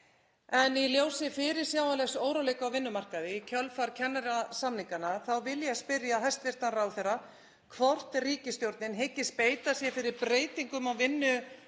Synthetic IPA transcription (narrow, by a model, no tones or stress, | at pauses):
ɛniljoːwsɪfɪɾɪɾ̥sjaːwvanlɛxsoːwɾalejkawvɪnːʏmar̥kaðɪcʰœlfaɾ̥cʰɛnːaɾasamniŋkanaθawvɪljaspɪɾjaɦɛjst̪vɪr̥t̪anrawθɛjra | kʰvɔr̥t̪riːcɪst̪jowɾt̪nɪnɦɪcːɪspeːjt̪asjɛfɪɾɪɾpɾeːjt̪iŋkʏmawvɪnːʏ